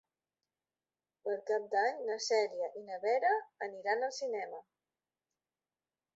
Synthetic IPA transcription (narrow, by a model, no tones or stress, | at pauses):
pəlkap̚d̪aɲnəsɛɾiəʔinəβɛɾəːniɾanəlˠsinɛmə